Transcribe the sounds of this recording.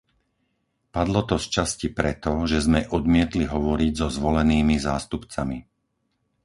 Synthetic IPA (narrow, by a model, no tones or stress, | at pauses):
pad̪lɔt̪ɔst͡ʃascipɾɛt̪ɔʒɛzmɛʔɔd̪mɪɛt̪liɦɔʋɔɾiɟzɔzʋɔlɛniːmizaːst̪upt͡sami